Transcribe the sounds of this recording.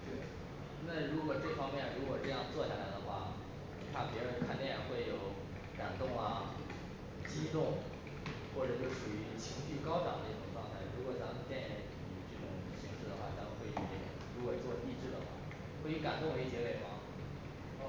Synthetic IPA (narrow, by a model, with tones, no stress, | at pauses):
t̪we˥˩ɪ | na˥˩ɻu˧˥kwɔ˨˩ʈ͡ʂɤ˥˩fɑ˥ŋmjɛ˥˩nɻu˧˥kwɔ˨˩ʈ͡ʂɤ˥˧jɑ˥˧ŋt͡swɔ˥˧ɕja̰˥˩la˧˥ɪd̪ə˧xwa̰˥˩ | t̪ʰa˥˩pjɛ˧˥ɻə˧˥nkʰa˥˩nt̪jɛ˥˩˥nxwe˥˩ɪjo˨˩˦ʊ | ka˨˩nt̪ʊ˥˩ŋɐ˩ | t͡ɕi˥t̪ʊ˥˩ŋ | xwɔ˥˩ʈ͡ʂɤ˨˩t͡ɕo˥˩ʂu˨˩y˧˥t͡ɕʰi˧˥ŋɕy˥˩kɑ˥ʊt̪ɑ̰˨˩d̪ə˦i˥˩ʈ͡ʂʊ˨˩ŋʈ͡ʂwɑ˥˧ŋt̪ʰa˥˩ɪɻu˧˥kwɔ˨˩t͡sɑ˧˥˧t̪jɛ˥˩nɛ˧˥˨i˨˩ʈ͡ʂɤ˥˩ʈ͡ʂʊ̰˨˩ŋ | ɕi˧˥ŋʂɻ̩˥˩d̪ə˩xwa˥˩nʰa˥˧˩mə˨˩xwe˥˧ɪi˥˩j | ɻu˧˥kwɔ˨˩t͡swɔ˥˧i˥˧ʈ͡ʂɻ̩˥˩d̪ə̰˩xwa̰˥˩ | xwe˥˧ɪi˧˥ka˨˩nt̪ʊ˥˧ŋwe˧˥ɪ˧t͡ɕjɛ˧˥le˨˩ɪxwa̰˥˩˥